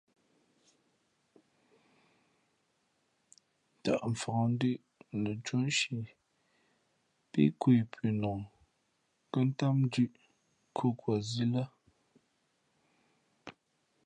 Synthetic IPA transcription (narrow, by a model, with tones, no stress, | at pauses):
ta̰˨ʔɱ̩˨fɔ˨n̩˦di˦ʔ | nə˨t͡ʃo˦n˦ʃi˨ | pḭ˦kwe˨pʰi˨nɔ˨ŋ | kə˦n̩˦ta˦m˦d͡ʒʉ˦˨ʔ | kʰo˦kwa˨zi˦lə˦